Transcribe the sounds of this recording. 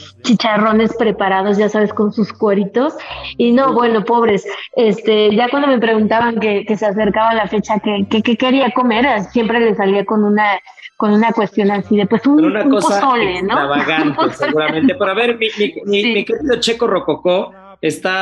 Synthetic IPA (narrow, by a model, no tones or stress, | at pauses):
t͡ʃit͡ʃaro̞ne̞spɾe̞paɾað̞o̞zʝasaβe̞sko̞nsuskweɾit̪o̞sino̞βwe̞no̞po̞βɾe̞se̞st̪e̞ʝakwand̪o̞mepɾe̞ɣunt̪aβaŋke̞kese̞as̬e̞ɾkaβalafe̞t͡ʃakekekeke̞ɾiako̞me̞ɾsje̞mpɾe̞le̞saliako̞nũna | ko̞nũnakwe̞st̪jo̞nasiðe̞pwe̞suunakospoolenoaβaɣant̪eseɣuɾammẽnt̪epeɾoaβeɾmimimimikeɾiðo̞t͡ʃe̞koro̞koko | est̪a